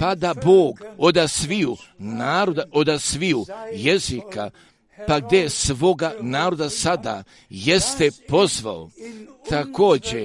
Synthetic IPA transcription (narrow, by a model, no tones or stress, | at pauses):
pad̪aboːɡo̞d̪asʋiunaːɾod̪aʔo̞d̪asʋiuje̞zika̰ | paɡ̚d̪esʋo̞ɡanaːɾo̞d̪asad̪a̰ | je̞st̪epo̞zʋa̰o̰t̪ʰako̞ːd͡ʑe